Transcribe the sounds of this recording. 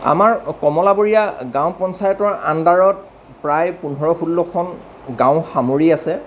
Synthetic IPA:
a̰maɹkɔmɔlaboɹijaɡãw̃pɔnsajɔtɔɹandaɹɔt̚ | pɹajpunɦɔɹɔxulːɔkʰɔn | ɡãw̃xamoɹiasɛ

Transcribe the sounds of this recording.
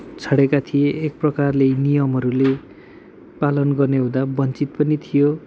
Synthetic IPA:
t͡sʰʌɽekat̪ʰijeːk̚prʌkarlenijʌmɦʌɾule | palʌnɡʌrneɦũd̪abʌnt͡sit̪̚pʌnit̪ʰijo

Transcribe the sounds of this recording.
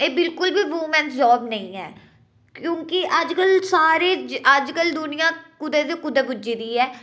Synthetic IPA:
eːbɪlkʊlbiːʋuːmɛ̃ːnsd͡ʒɔːbnəĩːɛ̰ː | kjõːkɪʔəd͡ʒkəlsaːɾeːd͡ʒəd͡ʒkəld̪ʊnɪjãːkʊd̪et̪ekʊd̪eːbʊd͡ʒiːd̪iːɛː

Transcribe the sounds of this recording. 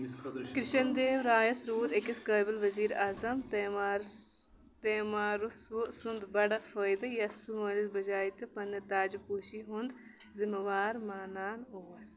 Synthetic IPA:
kɾɪʃɐnd̪eːʋɾaːjɐsɾuːd̪ekiskɐːbɐlʋɐziːɾaːzɐm | t̪eːmaːɾususund̪bɐɽɐfəːjd̪ɐjɐsumɐːɾisbɐd͡ʒaːit̪ɨpɐnːɐt̪aːd͡ʒupuːʃiɦund̪ | zimɐʋaːɾmaːnaːnoːɐs

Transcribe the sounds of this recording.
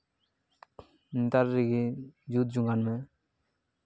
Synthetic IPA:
nt̪aɾːiɡid͡ʒut̪̚d͡ʒuŋɡanmɛ

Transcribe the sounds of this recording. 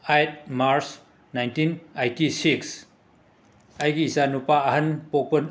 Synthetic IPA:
ajt̚maɾs | najntinajtisiks | ajɡiːsanupaːɦɐnpok̚pɐn

